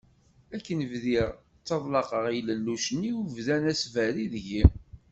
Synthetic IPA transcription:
ækːənvðiʁ | t͡sːɑðˤlɑqəʁijləlːuʃənːiuvðænæsvæɾiðʝim

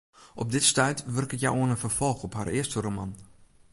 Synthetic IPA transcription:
ʔɔp̚dɪtstœjtʋɵrkəkja̰wʔoənənfərfɔlˠxɔpha̰rɪəstəromɑn

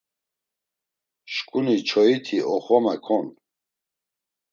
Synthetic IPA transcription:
ʃkʼunit͡ʃʰɔit̪ʰiʔɔχɔmɛkʰɔn

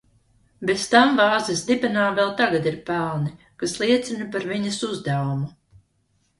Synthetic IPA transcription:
best̪amvɑːzesd̪ibɛnaːvɛlˠt̪aɡad̪iɾpælˠni | kaslˠiɛt̪sʲinɐpaɾviɲɐsuzd̪awumu

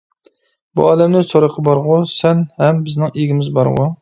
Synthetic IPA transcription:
bṵɑːlɛmnɪsoɾəqʰəbɑɾʁʊsɛnhɛmbɪznɪŋeɡʲimɪzbɑ̰ɾʁṵ

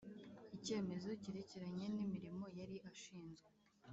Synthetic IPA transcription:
ice̞ːme̞zo̞ciɾeceɾaɲe̞nimiɾimo̞jaɾiʔaʃiːnzɡwe

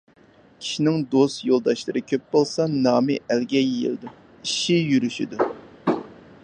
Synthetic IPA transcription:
kʲʰi̥ʃinɪŋd̪ost̪jolˠd̪ɑʃlˠɨɾɨkʲʰøp̚bolˠsɑnɑːmɪʔælɡʲɛjḛlɨd̪u | iʃijyɾyʃḭd̪u

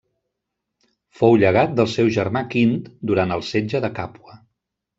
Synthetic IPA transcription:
fowʎəɣ̞at̪̚d̪əlˠsɛwʒəɾmakint̪d̪uɾant̪əlˠsed͡ʒəðəkapwə

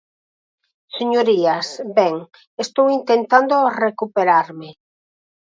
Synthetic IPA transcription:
seɲoɾiasbɛŋ | est̪owint̪ent̪and̪orekupeɾaɾmɪ

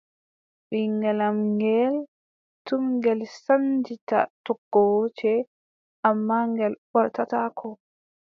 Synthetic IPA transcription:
ɗiŋɡɛlamŋɡɛl | tumŋɡɛlsand͡ʒita̰tɔɡːɔwt͡ʃɛ | ʔamːaŋɡɛlɓɔɾtatakʰɔ

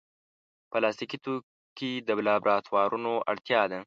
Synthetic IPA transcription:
pəlɑst̪ikit̪o | kid̪əblɑbɾʔɑt̪wɑɾʔunoʔa̰ɽt̪jɑd̪a

